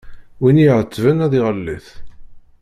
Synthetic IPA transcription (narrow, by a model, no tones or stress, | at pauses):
winiʕət͡sːvənæðiʁəlːiθ